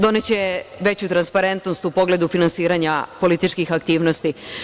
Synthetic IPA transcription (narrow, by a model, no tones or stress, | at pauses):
d̪o̞net͡ɕe̞ʋe̞t͡ɕut̪ɾanspaɾe̞nt̪nost̪upo̞ɡle̞d̪ufinansiːɾaɲapo̞lit̪it͡ʃkixakt̪iːʋno̞st̪i